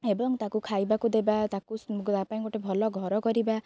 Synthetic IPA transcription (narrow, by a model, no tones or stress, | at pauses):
ebɔŋt̪akukʰajbakud̪ebat̪akuapãĩɡoʈebʱɔlɔɡʱɔɾɔkɔɾiba